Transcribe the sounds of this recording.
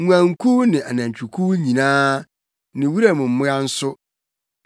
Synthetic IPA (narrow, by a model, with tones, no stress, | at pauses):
ã˨ŋ˦kʰu˦nɪ̃˨ʔa˨nã˨ɲ˨t͡ɕʰᶣu˨kʰu˦ɲĩ˨nãː˦ | nɪ̃˨wu˦ɾa˨mʊ̃˨m̩˦mʊ̃˦ã˦n̩˦sʊ˦